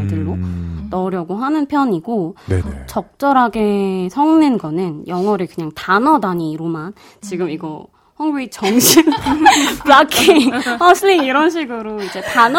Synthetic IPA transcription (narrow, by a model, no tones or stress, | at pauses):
dɯɭːonʌɾjʌɡoɦanɯnpʰjʌɲiɡonet͡ɕʌk̚t͡ɕ͈ʌɾɦaɡe̞sʰʌŋnenɡʌnɯnjʌŋɦʌɾekɯɲaŋtanʌdaɲiːɾoman | t͡ɕiɡɯmiɡʌ | hʌŋɡiit͡ɕʌŋɕʰi | pɭakʰiŋʌsʰɯʎːiŋiɾʌnɕʰiɡɯɾoid͡ʑe̞tan